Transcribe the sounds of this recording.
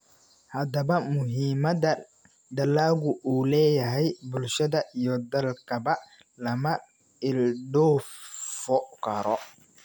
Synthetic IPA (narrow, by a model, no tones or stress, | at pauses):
hɐd̪ɐβɐmʊɦiːmɐdɐ | d̪ɐlaːɣʊʔuːlɛːjɐɦɛjbʊlʃɐðɐʔijɔd̪ɐlkʰɐbɐ | lɐmɐ | ɪlɖɔːfɔkʰɐɾɔ